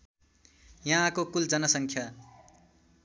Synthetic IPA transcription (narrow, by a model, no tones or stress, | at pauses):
jʌɦãkokuld͡zʌnʌsʌŋkʰja